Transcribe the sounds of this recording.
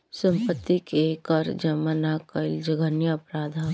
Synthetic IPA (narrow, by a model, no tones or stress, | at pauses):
sɐ̃mpət̪ːikekɐɾd͡ʒɐmənakɐɪld͡ʒɐɡənjaɐpɾaːd̪ʱa